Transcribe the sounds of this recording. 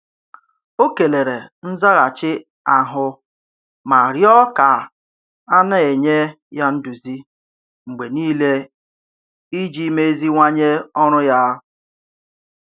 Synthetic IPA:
o˦ke˨le˨ɾe˨n̩˦za˦ɣa˨t͡ʃɪ˦ | a˨ɦʊ˦ | ma˨ɾjɔ˦ka˨ | a˦na˦˨e˨ɲe˦ | ja˦n̩˦du˨zi˦ | ŋ͡m̩˨ɡ͡be˨niː˦le˦ | i˦d͡ʒi˦me˦e˦zi˦ŋʷa˦ɲe˦ɔ˦ɾ̃ʊ˦ja˦

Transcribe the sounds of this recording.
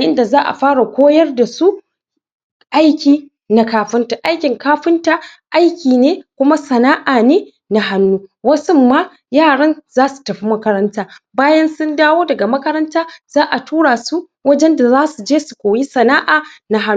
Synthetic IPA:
a˨ʔɪ˦nda˨zaː˦ʔa̰˨ɸaː˦ɽa˨kʷoː˦jɐ˦rda˨su˦ | ʔa˦jkʲiː˨ | na˦kaː˦ɸɪ˦nta˨ʔa˦jkʲɪ˨ŋkaː˦ɸɪ˦nta˨ | ʔa˦jkʲiː˨neː˦kʷʊ˦ma˦sɐ˨naː˦ʔaː˨neː˦ | na˦ɦa˦nːuː˦wɐ˦sʊ˦mːa˦ | jaː˦˨ɽɐ˦nzaː˦su̥˨tɐ˨ɸi˦mɐ˦kɐ˦ɾɐ˦ntaː˦baː˦jɐ˦nsʊ˦ndaː˦woː˦dɐ˨ɡa˨mɐ˦kɐ˦ɾɐ˦ntaː˦z̥aː˦ʔa˨tʰuː˦ɽaː˨su˦ | wɐ˦d͡ʒɛ˦nda˨zaː˦su˨d͡ʒeː˦su˨kʷoː˨ji˦sɐ˨naː˦ʔaː˨na˦ɦa˦

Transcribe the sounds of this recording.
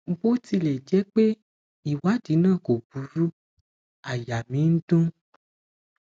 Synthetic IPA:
ɡ͡bo˦ti˧lɛ˨d͡ʒɛ˨˦k͡pe˦ | i˨wa˨˦di˨˦nãː˦˨ko˨bu˨˦ɾu˦ | a˨ja˨mĩ˨˦n̩˦dũ˦

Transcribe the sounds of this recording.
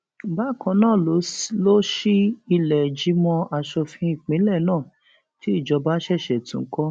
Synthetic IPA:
ba˦˨kɔ̃˧nãː˦˨lo˨˦lo˦ʃi˦i˧lɛ˨d͡ʒi˨˦mɔ̃˧a˧ʃɔ˧fĩ˧i˦˨k͡pĩ˨˦lɛ˦˨nãː˦˨ | ti˦i˦˨d͡ʒɔ˧ba˦ʃɛ˦˨ʃɛ˨tṵ̃˨ŋ̩˦kɔ˦

